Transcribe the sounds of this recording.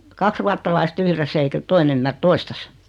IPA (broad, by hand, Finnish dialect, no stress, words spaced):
kɑks ruɑtːɑlɑist yhresː eikæ toin ymːær toistɑs